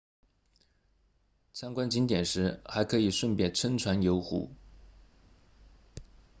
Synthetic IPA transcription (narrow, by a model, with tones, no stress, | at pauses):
t͡sʰa˥ŋkwa˥nt͡ɕi˧˥ŋt̪jɛ˨˩nʂɻ̩˧˥xa˧˥ɪkʰɤ˧˥i˨˩ʂwə˥˧npjɛ˥˩nʈ͡ʂʰə˥nʈ͡ʂʰwa˧˥njo˧˥ʊxṵ˧˥